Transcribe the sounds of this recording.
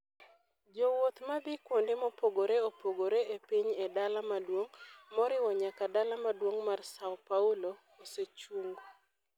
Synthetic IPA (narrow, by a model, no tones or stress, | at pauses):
d͡ʒowot̪mabɪkwondemopoɡoɾeopoɡoɾeepiɲedalamadwoŋmɔɾɪwɔɲakadalamadwoŋmarsaɔpaulo | oset͡ʃuŋɡo